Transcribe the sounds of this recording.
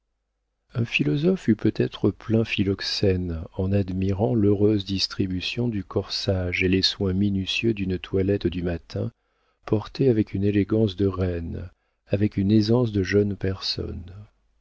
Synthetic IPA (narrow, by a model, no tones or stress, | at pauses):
ɛ̃filɔzɔfypøt̪ɛt̪χəplɛ̃filɔksɛnɑ̃nad̪miʁɑ̃løʁøzd̪ist̪χibysjɔ̃d̪ykʰɔʁsaʒeleswɛ̃minysjød̪ynt̪ʰwalɛt̪d̪ymat̪ʰɛ̰̃ | pɔʁt̪eavɛkyneleɡɑ̃sd̪əʁɛn | avɛkynezɑ̃sd̪əʒœnpɛʁsɔ̰n